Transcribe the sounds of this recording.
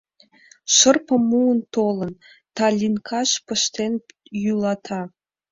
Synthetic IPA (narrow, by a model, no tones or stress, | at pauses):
ʃərpəmːuənt̪olə̆n | t̪ɑlʲinkʰɑʃpə̆ʃt̪enjylɑt̪ʰɑ